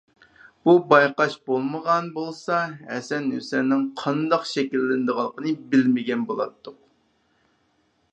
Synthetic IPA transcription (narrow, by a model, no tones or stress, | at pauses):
b̥ubɑjqɑʃbolˠməʁɑnbolˠsɑhɛsɛnøsɪɾnɪŋqʰɑnd̪ɑqʃɛkʲilːɪnd̪əʁəlˠːəqənɨbɪlmɪɡʲɛnbolˠɑ̰t̪ʰːʊq̚